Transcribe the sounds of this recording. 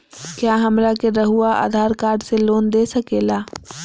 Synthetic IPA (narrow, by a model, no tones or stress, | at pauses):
kjaːɦɐmɾakeɾɐɦuaʔa̰ːd̪ʱaːɾkaːɾɖseloːnd̪eːsɐkeːlaː